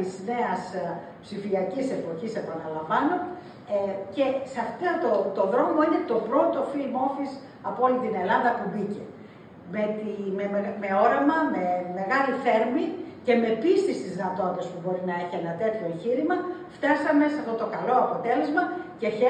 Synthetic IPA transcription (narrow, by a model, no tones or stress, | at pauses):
izne̞ɐs | psifiɐcise̞po̞çise̞pɐnɐlɐɱvɐno̞ | ce̞sɐft̪ɐt̪ot̪o̞ðɾo̞mo̞ine̞t̪o̞pɾo̞t̪o̞filmo̞fis | ɐpoolit̪ine̞lɐnðɐpubice̞̰ | me̞t̪imeme̞o̞ɾɐmɐme̞me̞ɣɐliθe̞ɾmice̞me̞pist̪ist̪iznɐt̪o̞t̪espubo̞ɾinɐe̞çienɐt̪e̞t̪ço̞e̞ɲçiɾimɐft̪ɐsɐme̞sɐft̪o̞t̪o̞kɐlo̞ɐpo̞t̪e̞le̞zmɐce̞çe